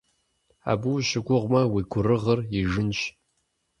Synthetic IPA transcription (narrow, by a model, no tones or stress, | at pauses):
a̰ːbuʃɪɡʷʊʁʷmɐwiːɡʷʰʊrɨʁɐriʒɪnt͡ʃ